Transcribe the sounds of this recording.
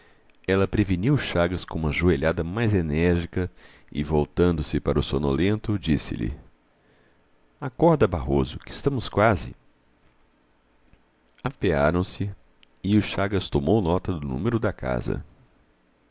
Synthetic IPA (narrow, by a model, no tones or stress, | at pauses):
ɛlɐpɾeviniwʊʃaɡɐskõũmɐʒueʎad̪ɐmajzenɛɾʒikɐ | ɪ̰vowt̪ɐ̃nd̪ʊsɪpaɾɐʊsonolẽnt̪ʊd͡ʒisɪ̰lɪ̰ | akɔɾd̪ɐbaɦozʊkɪst̪ɐ̃mʊskwazɪ̰ | apeaɾɐ̃w̃sɪ | ɪʊʃaɡɐst̪omownɔt̪ɐd̪ʊnṵ̃meɾʊd̪ɐkʰa̰zɐ̰